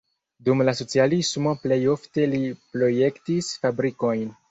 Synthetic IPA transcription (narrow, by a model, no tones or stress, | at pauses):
dumlaso̞t͡sialismo̞ple̞jo̞fte̞lipɾo̞je̞ktisfabɾiko̞jn